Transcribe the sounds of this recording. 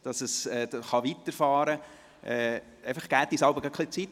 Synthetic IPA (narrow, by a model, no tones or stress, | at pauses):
d̥ɑsəsɛːχɑʋit̪əɾfɑːɾə | ʔɛː | ɛɪfəχɡ̥æːt̪̚d̥isɑlbəɡ̥ɑkχlɪt͡sit